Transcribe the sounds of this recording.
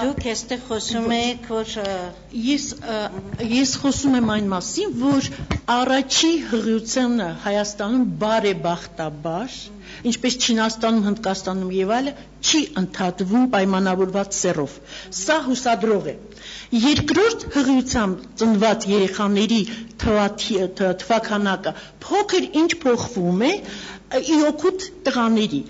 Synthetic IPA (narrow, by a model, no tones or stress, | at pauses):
d̪ukʰɛst̪ɛʁχɔsumɛkʰvɔɾ | jɛs | jɛsχɔsumɛmɑjnmɑsinvɔɾɑrɑt͡ʃʰiɦəʁjut͡sʰjɑnəhɑjɑst̪ɑnumbɑɾɛbɑχt̪ɑbɑɾ | int͡ʃʰpɛst͡ʃʰinɑst̪ɑnumhənd̪kɑst̪ɑnumjɛvɑjlə | t͡ʃʰiʔənt̪ʰɑt̪vumpɑjmɑnɑvɔɾvɑt͡ssɛrɔv̥ | sɑɦusɑd̪ɾɔʁɛ | jɛɾkɾɔɾt̪ʰhəʁjut͡sʰjɑmbt͡sənvɑt͡sjɛɾɛχɑnɛɾit̪ʰɑt̪ʰt̪ʰəvɑkʰɑnɑkə | pʰɔkʰəɾint͡ʃʰpʰɔχvumɛ | iɔkʰut̪ʰːəʁɑnɛɾi